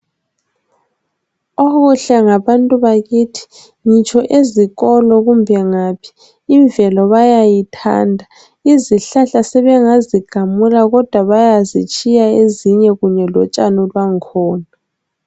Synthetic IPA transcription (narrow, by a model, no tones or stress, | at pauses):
oɣuɬɛŋaβantʼuβaɣitʰi̥ | ɲit͡ʃʰʼɔʔeziɣɔlɔɣumbʱɛŋapʰi̥ː | ɱvɛlɔβajajitʰa̰ːndʱa | iziɬaɬasɛβɛŋaziɡ̥ʱamulaɣɔd̥ʱwaβajazit͡ʃʼijaeziɲɛɣuɲɛlɔt͡ʃʼanɔlwaŋkʰɔːna